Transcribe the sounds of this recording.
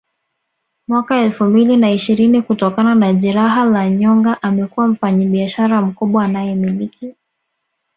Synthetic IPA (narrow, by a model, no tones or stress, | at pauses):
mwakaɛlfumbilinaiʃiɾinikutɔkananaʄɛɾaɦalaɲɔŋɡaʔamɛkuwam̩faɲiɓiaʃaɾam̩kuɓwaːnajɛmiliki